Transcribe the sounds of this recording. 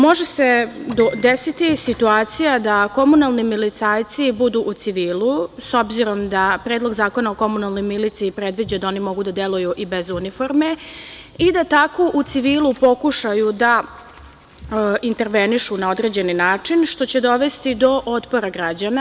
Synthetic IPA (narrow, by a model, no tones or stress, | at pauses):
mo̞ʒese̞d̪od̪esit̪isit̪uaːt̪sijad̪ako̞munalˠnimilit̪saːjt̪sibud̪uʔut̪siʋiːluso̞bziɾo̞md̪apɾeːd̪lˠo̞ɡzaːko̞naoko̞munalˠnojmilit̪siipɾe̞d̪ʋid͡ʑad̪ao̞nimo̞ɡud̪ad̪jelujuʔibe̞zunifo̞ɾme̞id̪at̪akoʔut̪siʋiːlˠupo̞kuʃajud̪a | int̪e̞ɾʋe̞niʃunao̞d̪ɾe̞d͡ʑe̞ninaːt͡ʂinʃt̪o̞t͡ɕe̞d̪o̞ʋe̞st̪id̪o̞ʔot̪po̞ɾaɡɾad͡ʑana